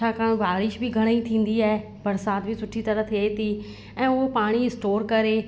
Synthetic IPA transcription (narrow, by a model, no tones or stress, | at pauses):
aːkaːɽ̃baːɾɪʃbɪɡʱɐɽ̃it̪ʰĩːn̆d̪iaːɦe | bɐɾsaːt̪bʱɪsʊʈʰit̪ɐɾət̪ʰiat̪i | ɛ̃ːʊɦopaːɽ̃iɪsʈoːɾkɐɾe